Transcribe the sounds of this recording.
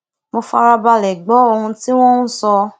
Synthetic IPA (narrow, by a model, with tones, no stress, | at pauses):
mo˧fa˧ɾa˧ba˧lɛ˨ɡ͡bɔ˨˦o˧hũ˧ti˦w̃ɔ̃˦ũ˦sɔ˧